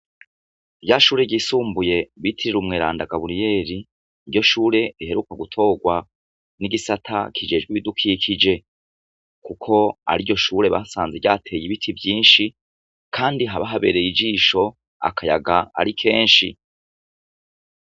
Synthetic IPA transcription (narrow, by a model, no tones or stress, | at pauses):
bjaʃuːɾe̞ɟiːsuːmbuje̞βitʰiɾiɾumŋeːɾa̰ːndaɡaβuɾije̞ːɾi | iɾjo̞ʃuːɾe̞ɾiɦe̞ɾukaɡutʰo̞ːɡwa | niɡisatʰa̰kʰid͡ʒe̞ːd͡ʒɡwiβidukʰiːkʰid͡ʒe̞ | kukʰo̞a̰ɾijo̞ʃuːɾe̞βasaːnzeɟaːtʰe̞ːjiβitʰibjiːnʃi | kʰaːndiɦaβaɦaβe̞ːɾe̞jid͡ʒiːʃo̞ | a̰kʰaja̰ɡaa̰ɾikʰe̞ːnʃḭ